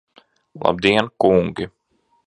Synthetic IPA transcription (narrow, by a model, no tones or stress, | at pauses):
lˠa̰b̚d̪iɛnkuŋɡʲi